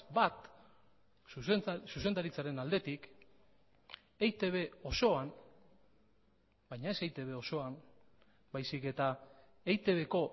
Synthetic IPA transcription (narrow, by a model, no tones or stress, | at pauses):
bat̪ | suse̞nd̪aɾit͡saɾe̞nald̪e̞t̪ik | ejt̪e̞βe̞o̞so̞am | bajɲae̞sejt̪e̞β̞e̞o̞so̞an | bajsike̞t̪a | ejt̪e̞β̞e̞ko̞